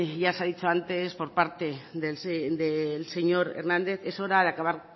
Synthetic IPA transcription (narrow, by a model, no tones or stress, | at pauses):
ʝaseaðit͡ʃoant̪e̞spo̞ɾpaɾt̪e̞ðesd̪else̞ɲo̞ɾḛɾnãnd̪e̞θe̞so̞ɾaðeakaβaɾ